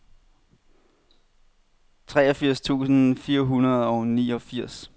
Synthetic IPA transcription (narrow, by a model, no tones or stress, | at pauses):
t͡sʰʁɛːɒfiɐ̰st͡sʰṵːsn̩fiːɐɦunɐð̞̩ˠɒʊniːɒ̽fiɐ̰s